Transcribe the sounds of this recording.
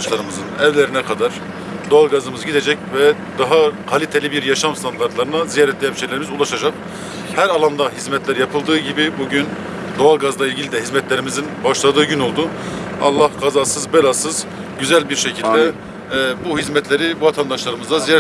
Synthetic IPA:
ʃlˠaɾɯmɯzɯnɛvlʲeɾinɛkʰad̪aɾ̥ | d̪o̞alˠɡazɯmɯzɯɟid̪ed͡ʒɛcvɛ | d̪aɦakʰalʲit̪ʰelʲibiɾjaʃamst̪ʰant̪aɾt̪lˠaɾɯnazijaɾɛt̪lejɛnʃejlʲeɾimizulˠaʃad͡ʒak̚ | hæɾalˠand̪aɦizmɛt̪ʰlʲæɾjapʰɯlˠd̪ɯːɟibibuɟyn | d̪o̞alˠɡazlˠailʲɟilʲid̪ɛɦizmɛt̪lʲeɾimizinbaʃlˠad̪ɯːɟyno̞lˠd̪u | ɑ̰lˠːahɡazasɯzbelʲasɯz̥ | ɟyzælʲbiɾʃecʰilʲdd̪ɛ | buɦizmɛt̪ʰlʲe̞ɾibuvat̪ʰand̪aʃlˠaɾɯmɯzd̪azija

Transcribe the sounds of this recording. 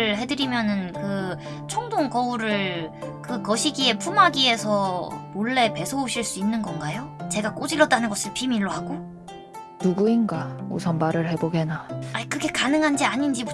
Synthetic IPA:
ɯɭɦe̞dɯɾimjʌnɯnkɯ | t͡ɕʰʌŋdoŋkʌuɾɯɭkɯkʌɕʰiɡie̞pʰumaɡie̞sʰʌmoɭːe̞pe̞sʰʌoɕʰiɭs͈uinːɯnɡʌnɡajot͡ɕe̞ɡak͈od͡ʑiɾʌt̚t͈anɯnɡʌsʰɯɭpimiɭːohaɡo | nuɡuinɡao̰sʰʌnmaɾɯɭhe̞boɡe̞naaikɯɡe̞kanɯŋɦand͡ʑiaɲind͡ʑi

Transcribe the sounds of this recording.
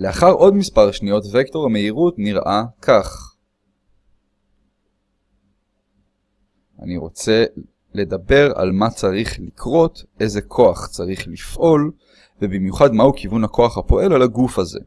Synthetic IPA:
le̞aχaʁʔo̞dmispaʁʃnijo̞tvekto̞ʁame̞iʁutniʁʔakʰaχ | ʔa̰niʁo̞̰t͡se̞ | le̞dabe̞ʁa̰lmat͡saʁiχlikʰʁo̞tʔe̞ze̞kʰo̞aχt͡saʁiχlifʔo̞l | vebimjuχadmahukivunhakʰo̞aχhapo̞ʔe̞lalaɡufaze̞̰

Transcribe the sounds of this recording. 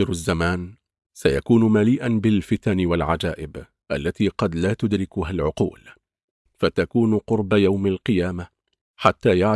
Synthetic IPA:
ɪɾazːamaːn | sajakuːnʊmaliːʔanbɪlfɪt̪anɪwalʕad͡ʒaːʔɪb | ʔalːat̪iːqɑd̪laːt̪ʊd̪ɾɪkʊɦalʕʊqṵːl | fat̪akuːnqʊɾbajawmalqɨjaːma | ħat̪ːaːjaʕ

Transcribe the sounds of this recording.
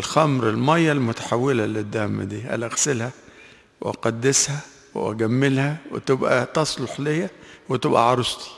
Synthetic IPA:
lxæmɾɪlmæjːælmʊt̪ḁħawːɪlælɪd̪ːæhmd̪iːʔæ̰læɣsɪlhæ | w̰ʔɑ̰qɑd̪ːɪshæ | w̰ʔæ̰ɡæmːɪlhæwɪ̰t̪ɪbʔæ̰t̪ɑsˤloħlejæwɪt̪ɪbʔæ̰ʕɑɾˤost̪i̥

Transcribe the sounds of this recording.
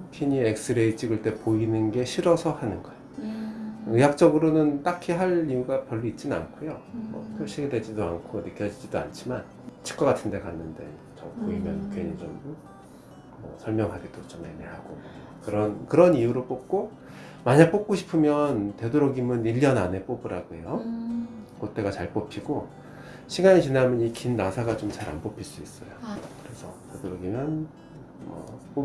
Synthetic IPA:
pʰiɲiek̚s͈ɯɾeit͡ɕʰiɡɯɭt͈e̞poinɯnɡe̞ɕʰiɾʌsʰʌhanɯnɡʌjo | ɯjak̚t͡ɕ͈ʌɡɯɾonɯnt͈akʰiɦaɾiuɡapjʌɭːoit̚t͡ɕ͈inɯna̰nkʰojomʌ̰pʰjoɕ͈ʰiɡedwe̞d͡ʑidoa̰nkʰonɯk͈jʌd͡ʑid͡ʑidoa̰nt͡ɕʰiman | t͡ɕʰi̥k͈wʌɡatʰɯnde̞kanːɯnde̞̰ | t͡ɕʌpoimjʌ̰nukʰoɲit͡ɕom | mʌ̰sʰʌɭmjʌŋɦaɡidot͡ɕʌmeneɦaɡo | kɯɾʌnkɯɾʌnijuɾop͈op̚k͈o | maɲak̚p͈ok̚k͈oɕʰi̥pʰɯmjʌnte̞doɾʌɡimɯniʎːʌnane̞p͈obɯɾaɡoḛjo | kot̚t͈e̞ɡat͡ɕaɭp͈opʰiɡo | ɕʰiɡaɲit͡ɕinamjʌnikinːasʰaɡat͡ɕomt͡ɕaɾa̰npopʰiɭs͈uis͈ʌjokɯɾe̞sʰʌ̰te̞doɾʌɡimjʌn | mʌ̰p͈o

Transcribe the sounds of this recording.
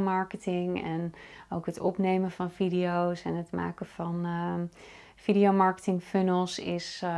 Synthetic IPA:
mɑɹkətɪŋɛnowkɦətʰɔpnejmənvɔnfidiowsɛnɦətma̰ːkəfɑn | fidiomɑɹkə̥tɪŋfønəlˠsɪs

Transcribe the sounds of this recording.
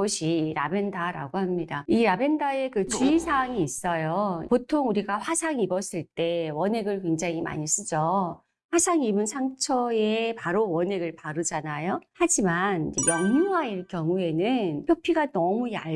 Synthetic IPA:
ʌɕʰiɾabe̞ndaɾa̰ɡohamɲidaiɾabe̞ndae̞kɯt͡ɕuisʰaŋiːs͈ʌjopotʰoŋuɾiɡaɸwasʰaŋibʌs͈ɯɭt͈e̞wʌne̞ɡɯɭkwe̞ŋd͡ʑaŋima̰ɲis͈ɯd͡ʑʌ | ɸwasʰaŋimɯnsʰaŋt͡ɕʰʌepaɾowʌne̞ɡɯɭpaɾɯd͡ʑanajohad͡ʑimanejʌŋɲuɦaiɭkjʌŋue̞nɯnpjopʰiɡanʌmuja̰

